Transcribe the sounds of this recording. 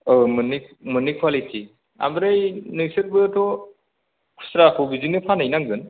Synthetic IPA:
ɯmunik̚munikʰwalitʰi | a̰mbɾɯjnɯsɯɾ̚bɯtʰɔ | kʰu̥sɾakʰɯwbizinɯpʰanajnaŋɡɯn

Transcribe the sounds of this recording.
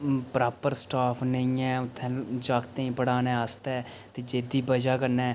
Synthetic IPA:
pɾaːpəɾsʈaːpʰnəĩːɛːʊt̪ʰːɛ̃ːd͡ʒaːkt̪ẽĩːpəɽaːnɛ̃ːast̪ɛː | t̪eːd͡ʒeːd̪iːbəd͡ʒaːkəɾnɛː

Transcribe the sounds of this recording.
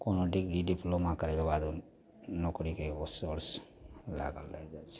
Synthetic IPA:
konoɖɪkɾiɖiplomakəɾɛkebaːd̪ | nɔkɽikekosoɾs | la̰ɡəlːa̰d͡ʒat͡ʃʰɛ̥

